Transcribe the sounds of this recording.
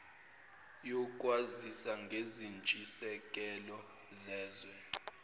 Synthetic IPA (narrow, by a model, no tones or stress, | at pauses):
jɔkʼwazisaŋɡʱezint͡ʃʼisɛkʼɛlɔ | zɛːzwɛ